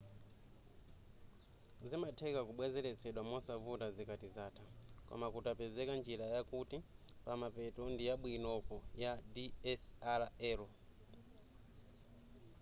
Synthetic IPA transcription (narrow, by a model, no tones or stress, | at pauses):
zimatʰɛkakuɓwɛzɛlɛt͡sʰɛɗwamɔsavutazikatizaːtʰakɔ̰makutapɛzɛkand͡ʒiɾajakuti | pamapɛtɔndijaɓwinɔkɔjadiɛsaɾaɛlɔ